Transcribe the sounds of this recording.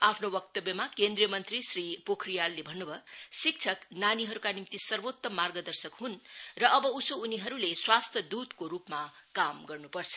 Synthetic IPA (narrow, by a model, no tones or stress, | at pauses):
apʰnobʌkt̪ʌbjʌmakend̪ɾijʌmʌnt̪risripokʰrijalːebʱʌnːubʱʌsik̚t͡sʰʌknaniɦʌɾukanimt̪isʌrbot̪ːʌmarɡʌd̪ʌrsʌkɦunrʌʔʌbʌusouniɦʌɾuleswast̪ʰjʌd̪ud̪koɾupmakamɡʌrnupʌrt͡sʰʌ̥